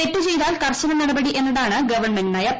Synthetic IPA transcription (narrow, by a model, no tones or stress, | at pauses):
e̞tːut͡ɕe̞jðaːlkɐrɕɐnɐnɐɽɐbɐɽiʔe̞nːuðaːɳɨɡɐʋɐrɳmendnaːjɐ